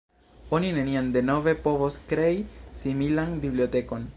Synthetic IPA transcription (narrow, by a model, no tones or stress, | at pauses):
o̞nineniand̪e̞no̞ve̞po̞voskɾe̞isimilanbibliot̪e̞ko̞n